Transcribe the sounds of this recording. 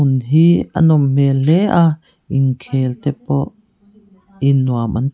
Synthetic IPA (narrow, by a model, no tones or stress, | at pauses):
unɦia̰nɔmmelɛʔa | ʔiŋkʰelt̪ɛpɔʔ | inːuamʔa̰n